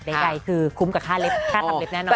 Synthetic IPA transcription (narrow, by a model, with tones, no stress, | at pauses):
da˨˩a˨˩jkʰɯː˧kʰu˧˦mkaː˨˩kʰaː˥˩le˦˥p̚kʰaː˥˩a˨˧le˦˥p̚nɛː˦˥˨nɔ˧